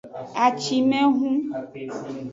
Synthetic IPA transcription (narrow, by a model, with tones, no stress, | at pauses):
a˨t͡ʃi˨mɛ̃˦ɦũ˦